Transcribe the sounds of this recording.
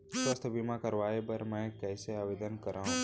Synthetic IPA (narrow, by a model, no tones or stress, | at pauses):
səst̪bimãkəɾʋaebəɾmɛ̃kɛseaʋed̪ənkəɾã